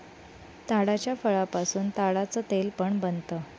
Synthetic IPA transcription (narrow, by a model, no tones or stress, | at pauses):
t̪aɽat͡ɕjafəɭapasuːnt̪aɽat͡səːt̪elpəɳbənt̪əː